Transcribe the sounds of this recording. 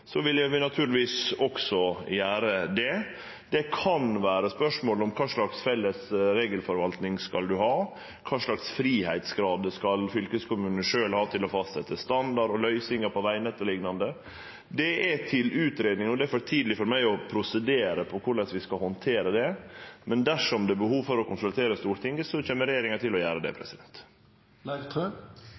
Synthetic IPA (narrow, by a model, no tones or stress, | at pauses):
sɔʋɪljæʋɪnɑt̪ʰʉːɾlɪʋiːsɔksɔjæːɾəd̪ɛ | d̪̥ɛkʰɑnʋæːɾəspœʂmoːlɔmkʰɑːʂɭɑksfɛlːəsɾeːɡəlfɔɾʋɑlt̪nɪŋskɑld̪ʉhɑː | kʰɑːʂɭɑksfɾiːhæɪt̪sɡɾɑːd̪əskɑlfʏlkəskʰʊmʉːnəʂøːlhɑːt̪ʰɪlɔfɑst̪sɛt̪ːəst̪ɑnd̪ɑɾɔlœʏsɪŋəɾpʰɔʋæɪnɛt̪ːəlɪɡnɑnd̪ə | d̪ɛɛt̪ʰɪlʉːt̪ɾeːd̪nɪŋɔd̪ɛæfɔɾt̪ʰiːd̪lɪfɔɾmæɪɔpʰɾʊsɛd̪eːɾəpʰɔkʰʊɭɛsʋɪskɑhɔnt̪ʰeːɾəd̪ɛmɛnd̪æʂɔmd̪ɛbəhuːʋfɔɾɔkʊnsʉlt̪ʰeːɾəst̪uːɾt̪ʰɪŋəsɔt͡ɕeːməɾɛjeːɾɪŋɑtʰɪlɔjæːɾəd̪ɛ̰pʰɾɛ̰sɪd̪ɛnt̪ | læɪt̪ʰø